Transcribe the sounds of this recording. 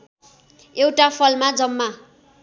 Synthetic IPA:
ewʈapʰʌlmad͡zʌmːa

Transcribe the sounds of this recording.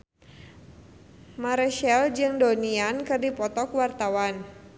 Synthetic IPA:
maɾɛʃɛld͡ʒɨŋdoniankɨrdipɔt̪ɔkwart̪awan

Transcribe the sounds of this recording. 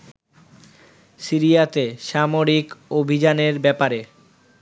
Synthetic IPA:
siɾijat̪eʃamoɾikobʱid͡ʑaneɾbɛpaɾe

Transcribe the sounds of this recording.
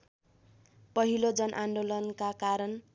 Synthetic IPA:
pʌɦilod͡zʌnʔanɖolʌnkakaɾʌn

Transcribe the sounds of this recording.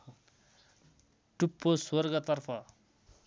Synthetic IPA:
ʈupːoswʌrɡʌt̪ʌrpʰʌ

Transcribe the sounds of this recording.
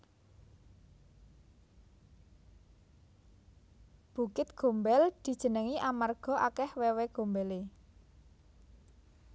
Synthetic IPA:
b̥ukɪt̪̚ɡ̥o̤mbɛld̪̥i̤d̥ʒ̥ə̤nəŋiʔamarɡ̥ɔ̤ʔakɛhwɛwɛɡ̥o̤mbɛle

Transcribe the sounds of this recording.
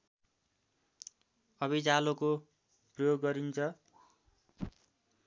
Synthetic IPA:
ʌβid͡zaloko | prʌjoɡːʌɾint͡sʰʌ

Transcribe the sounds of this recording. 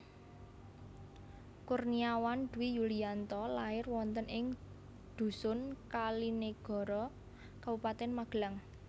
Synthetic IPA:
kurniawand̪̥ṳwijuliant̪ɔlaɪrwɔnt̪ənɪŋ | d̪̥ṳsʊnkalineɡ̥ɔ̤ɾɔ | kabupat̪ɛnmaɡ̥laŋ

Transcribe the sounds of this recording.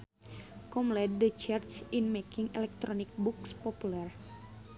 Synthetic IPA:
kɔmlɛd̚dət͡ʃart͡ʃinmekiŋɛlɛk̚t̪ɾɔnik̚bukspɔpulɛr

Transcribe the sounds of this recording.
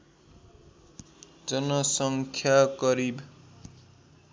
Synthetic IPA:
d͡zʌnʌsʌŋkʰjakʌɾib

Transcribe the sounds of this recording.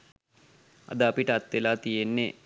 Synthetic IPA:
a̰d̪əɐpiʈəat̪ʋelaːt̪ijenːe

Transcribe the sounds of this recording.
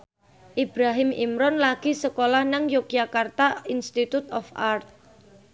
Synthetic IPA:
ʔib̥ɾaɦɪmḭmɾɔnlaɡ̥isəkolahnaŋjok̚d͡ʒakart̪ainst̪it̪ut̪ɔfart̪̚

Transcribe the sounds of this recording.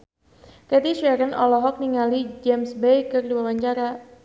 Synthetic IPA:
kɛt̪iʃɛɾənʔɔlɔɦɔk̚niŋalid͡ʒɛmsbejkɨrduawaɲt͡ʃaɾa

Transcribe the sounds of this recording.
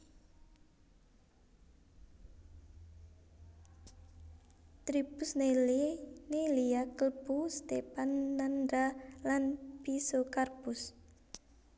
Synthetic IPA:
t̪ɾib̥ʊsnelneliakəlbust̪epanːanɾalanpisokarpʊs

